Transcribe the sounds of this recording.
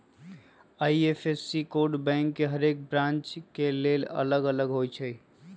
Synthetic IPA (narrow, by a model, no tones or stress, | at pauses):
aiepʰesːikoɾɖbɛ̃ŋkːeɦəɾek̚bɾãnt͡ʃkelelə̰ləɡələɡɦojt͡ʃʰəj